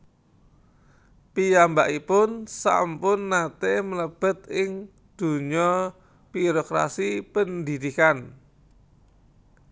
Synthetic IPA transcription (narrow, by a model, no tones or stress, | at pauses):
pijambaʔipʊnsa̰mpʊnːat̪emələb̥ə̤t̪ɪŋ | d̪̥ṳɲɔ | b̥iɾokɾa̰sipənd̪id̪̥ikan